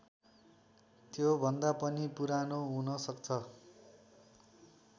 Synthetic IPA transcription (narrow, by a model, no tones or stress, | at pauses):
t̪jobʱʌnd̪apʌnipuɾanoɦunʌsʌkt͡sʰʌ